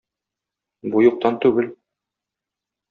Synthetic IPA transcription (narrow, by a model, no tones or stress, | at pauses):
bujŭq̚t̪ɑnt̪ʉɡɘl